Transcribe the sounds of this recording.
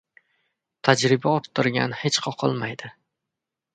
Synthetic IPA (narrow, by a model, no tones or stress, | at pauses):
t̪ʰad͡ʒɾɪbaɒt̪ʰːɪɾɡʲa̰nhet͡ʃqʰɒqʰɨ̰lˠmajd̪̥ɪ